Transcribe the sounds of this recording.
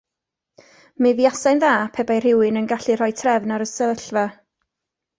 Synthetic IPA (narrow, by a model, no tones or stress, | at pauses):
mɨviasajnðaːpʰɛbajr̥ɪwɨnənɡaɬɨr̥ɔjtʰrɛvnaɾəsəəɬva